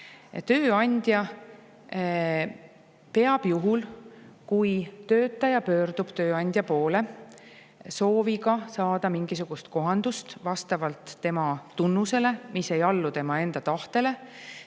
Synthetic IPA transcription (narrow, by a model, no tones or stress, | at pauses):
t̪ø̞ːɑnʲd̪̥jɑ | pe̞ɑb̥juɦulkujt̪ø̞ːt̪ːˑɑjɑpø̞ːɾd̪̥ub̥t̪ø̞ːɑnʲd̪̥ʲjɑpo̞ːle̞ | so̞ːviɡɑsɑːd̪̥ɑmiŋɡ̥isuɡ̥ust̪ko̞ɦɑnd̪̥ust̪vɑst̪ɑvɑlt̪ːe̞mɑt̪unːuse̞le̞misːe̞jɑlːut̪e̞mɑe̞nd̪̥ɑt̪ɑht̪e̞le̞